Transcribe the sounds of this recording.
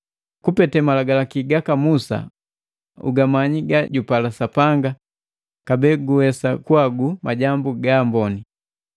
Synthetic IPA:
kupɛtɛmalaɡalakiɡakamusa̰ | ṵɡamaɲiɡaɟupalasapaŋɡa | kabɛːɡuwɛsakwaɡumaɟambuɡambɔni

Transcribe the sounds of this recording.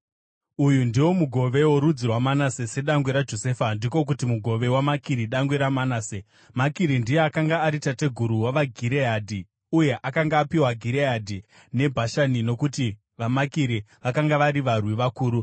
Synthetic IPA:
ujundiwo̞muɡʱo̞ʋe̞woɾud͡zirwamanasese̞ɗaŋɡweɾad͡ʒo̞se̞ːfandiko̞k̬utimuɡʱo̞ʋe̞wamakiɾiɗaŋɡweɾamanaːse | makiɾindijeakaŋɡaːɾitate̞ɡʱuɾuwaʋaɡʱiɾeadʱi | uje̞ʔakaŋɡaːpiwaɡʱiɾeadʱi | ne̞bʱaʃanino̞kuti | ʋamakiɾiʋakaŋɡaʋaɾiʋarwiʋakuːɾu

